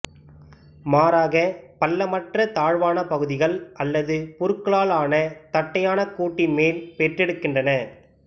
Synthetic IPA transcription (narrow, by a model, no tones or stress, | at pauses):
maːɾaːɣɐpɐlːɐmɐʈrɐt̪aːɻʋaːnɐpɐɣɯðɪɣɐɭʔɐlːɐðɯpʊɾkːɯɭaːlaːnɐt̪ɐʈːɐjaːnɐkuːʈːɪnmeːlpɛʈrɛɽɯkːɪndrɐnɐ